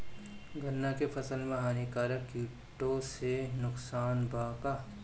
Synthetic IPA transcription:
ɡʱɐnːakefɐsəlmẽɦaːnikaːɾəkːjuː | ʈosenʊksaːnbaːka

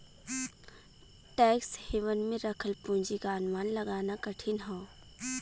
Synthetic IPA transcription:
ʈɛːkshiʋənmẽɾɐkʰəlpũːɲd͡ʒikaːnmaːnlɐɡaːnakɐʈʰinɦõː

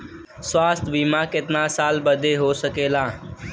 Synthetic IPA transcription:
swaːst̪bʱiːmãːkɪt̪nãːsaːlbəd̪ʱeːɦoːsəkeːlãː

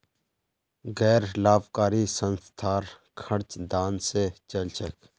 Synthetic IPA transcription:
ɡɛːɾlaːbkaːɾisənst̪ʰaːɾ | kʰɐɽt͡ʃd̪aːnset͡ʃɐlt͡ʃʰək

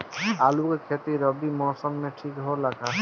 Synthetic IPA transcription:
alukekʰet̪iɾəbimɔːsəmːẽʈʰikɦolakʰa

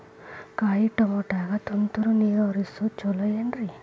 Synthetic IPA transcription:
kaːjiʈɐmɔʈaːɡat̪unt̪uɾuniːɾoɾisut͡ʃɔlɐjɐnɾi

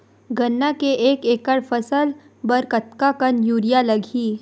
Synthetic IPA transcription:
ɡʱɐnːakeʔeːkeːkəɽfɐsəl | bɐɾkɐt̪kakənjuːɾijalɐɡʱiː

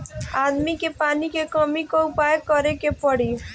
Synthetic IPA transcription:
ad̪mikepanikekəmikɔʊpajkːəɾekepəɽi

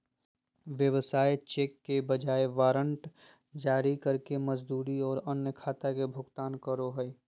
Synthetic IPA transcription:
ʋjəʋsaːet͡ʃeːkːebəd͡ʒaːeʋaːɾə̃ɳʈ | d͡ʒaːɾikəɾkeməd͡ʒd̪uːɾiɔːɾənjəkʰaːt̪akebʱʊɡt̪aːnkəɾoɦəe

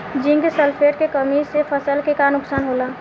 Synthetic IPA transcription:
d͡ʒɪ̃ŋɡsəlpʰeːʈkekəmisepʰəsəlkekanʊksaːnɦoːlaː

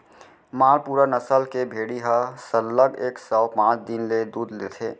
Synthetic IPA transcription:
maːɾpuːɾanəsəlkebʱeːɽiɦasəlləɡeːksɔʊpãːt͡ʃʰd̪inled̪uːd̪leːt̪ʰeː

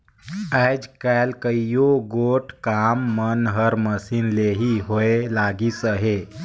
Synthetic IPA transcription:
ad͡ʒkalkəijoɡoʈʰkamːənɦəɾməsiːnleɦiɦoelaɡit͡səɦe

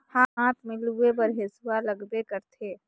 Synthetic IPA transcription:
hãɦãːt̪ʰmɪlebəɾɦesuwaləɡbekəɾt̪ʰe

